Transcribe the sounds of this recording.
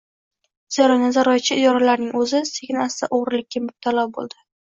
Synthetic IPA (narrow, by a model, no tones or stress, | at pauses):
z̥aɾɒjnazaɾɒjt͡ʃʰɪɪd̪ɒɾalaɾnɪŋɵzɪseɡʲnast̪a̰ʔoʁɾɪlɪkʲːamʊb̚t̪ʰalɒwbo̰lˠd̪ɪ